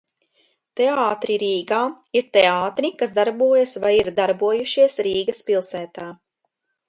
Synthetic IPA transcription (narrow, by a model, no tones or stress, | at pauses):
t̪eaːt̪ɾiɾiːɡaː | iɾt̪eaːt̪ɾikas̬d̪aɾbuɔjɐsvajiɾd̪aɾbuɔjuʃiɛsɾiːɡɐspilˠsæːt̪aː